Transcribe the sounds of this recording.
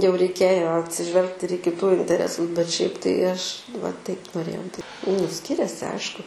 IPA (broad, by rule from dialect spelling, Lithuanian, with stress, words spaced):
jɛʊ rʲɛɪˈkʲeːjoː ɐtʲsʲɪˈʒʲʋʲɛlˠkt ɪr iː kʲɪˈtuː ɪnʲtʲɛˈrʲæːsʊs bʲɛt ʃʲɛɪp tɐɪ ˈɐʃ ʋɐ ˈtɐɪp noːˈrʲeːjɛʊ dʲɪ nʊ ˈsʲkʲɪrʲɛsʲɪ ˈɐɪʃkʊ